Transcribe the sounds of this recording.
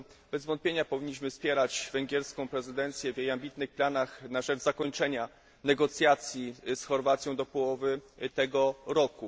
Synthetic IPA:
bɛzvɔnt̪̚pʲjeɲapɔvʲiɲːiɕ̬mɘfspʲjɛɾad͡ʑvɛŋɡʲɛɾskɔ̃w̃pɾɛzɘd̪ɛnt̪sʲjɛvʲjejambʲit̪nɘxplanaxnaʐɛd͡ʐzakɔɲt͡ʂɛɲa | nɛɡɔt̪sʲjat̪sʲjisxɔɾvat̪sʲjɔ̃w̃d̪ɔpɔwɔvɘt̪ɛɡɔɾɔku

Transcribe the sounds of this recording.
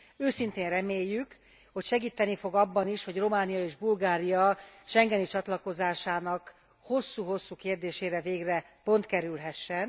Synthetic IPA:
øːsint̪eːnrɛmeːjːyk | ho̞cʃɛɡiːt̪ːɛnifo̞ɡɒbːɒniʃho̞ɟro̞maːnijɒeːʒbulɡaːɾijɒʃɛŋɡɛnit͡ʃɒt̪lɒko̞zaːʃaːnɒk | ho̞sːuːɦo̞sːuːkeːrd̪eːʃeːɾɛveːɡrɛ | po̞nt̪kɛɾylɦɛʃːɛn

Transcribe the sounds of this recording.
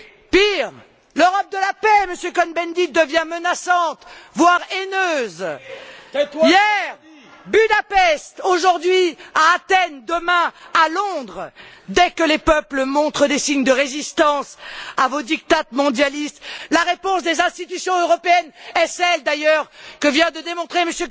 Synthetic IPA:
piʁ | løʁɔp̚d̪əlapɛməsjøkɔnbɛnd̪id̪əvjɛ̃mənasɑ̃t̪vwaʁenøz | jɛʁ | byd̪apɛst̪oʒuʁd̪ɥiaːt̪ɛnd̪əmɛ̃alɔ̃d̪ʁd̪ɛkəlepœpləmɔ̃t̪χəd̪esiɲd̪əʁezist̪ɑ̃savod̪ik̚t̪at̪mɔ̃d̪jalist̪laʁepɔ̃sd̪ezɛ̃st̪it̪ysjɔ̃øʁɔpeɛnɛsɛld̪ajœʁkəvjɛ̃d̪əd̪emɔ̃t̪χeməsjø

